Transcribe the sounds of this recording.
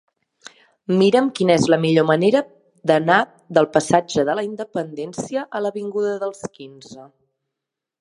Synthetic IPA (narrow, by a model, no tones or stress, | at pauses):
miɾəmkinəezləmiʎoməneɾə | d̪əna | ðəlˠpəsad͡ʒəðələind̪əpənd̪ɛnsiəʔələβiŋɡuðəðəlˠskinzə